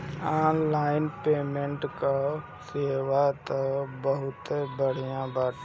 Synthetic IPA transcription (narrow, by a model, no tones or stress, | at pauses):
aːnlaːɪnpeːmẽɳʈka | seːʋat̪əbəɦʊt̪ebəɽ̤ijãbaːʈ